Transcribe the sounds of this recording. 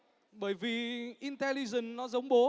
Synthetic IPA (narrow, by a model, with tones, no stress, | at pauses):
ɓəː˧˩jvi˨˩ʔi˧nt̪ɛ˧li˧zə˨˩nnɔ˨˦zə˨˦wŋ͡mɓo˨˦